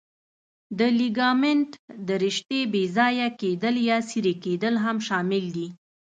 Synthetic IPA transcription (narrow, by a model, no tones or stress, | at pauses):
d̪əliɡɑmɪnʈ̪d̪əɾɪʃt̪ebezɑjaked̪əljɑsiɾeked̪əlɦamʃɑmɪld̪i